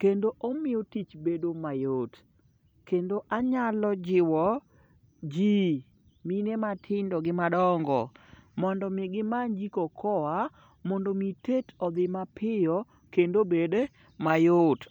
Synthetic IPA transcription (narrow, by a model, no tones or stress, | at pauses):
kendoʔomɪjɔtit͡ʃbedomajot | kendoʔaɲalɔd͡ʒɪwɔ | d͡ʒi | minematʰɪndɔɡɪmadɔŋɡɔ̰mɔndɔmɪɡɪmand͡ʒikɔkʰɔwa | mɔndɔmitetʰɔd̪ɪmapʰɪjɔ | kendobed | majot